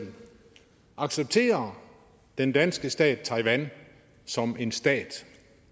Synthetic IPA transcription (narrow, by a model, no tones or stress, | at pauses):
ʔɑ̈ɡ̥seb̥̚t͡sʰe̝̰ːɐ | d̥end̥ænsɡ̥əsd̥ɛ̰ːd̥̚t͡sʰɑ̈ɪʋæn | sɒ̽me̝nsd̥ɛ̰ːd̥